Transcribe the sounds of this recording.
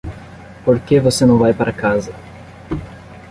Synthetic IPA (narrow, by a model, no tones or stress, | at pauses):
poɾkevosenɐ̃w̃vajpaɾʔɐkazɐ